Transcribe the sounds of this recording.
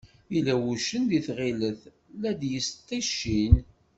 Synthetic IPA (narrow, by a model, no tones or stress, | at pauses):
ilæwuʃənd̪iθʁiləθ | læd̪jəst̪ˤːiʃːin